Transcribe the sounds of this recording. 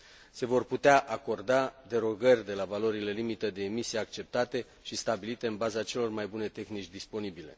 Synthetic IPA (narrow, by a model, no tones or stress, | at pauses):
se̞vo̞rput̪eaʔako̞rd̪ad̪e̞ɾo̞ɡərʲd̪e̞lavalo̞ɾile̞limit̪əd̪e̞ːmisijeakt͡ʃe̞p̚t̪at̪e̞ | ʃist̪abilit̪e̞ɨnbazat͡ʃe̞lo̞rmajbune̞t̪e̞xnit͡ʃʲd̪ispo̞nibile̞̰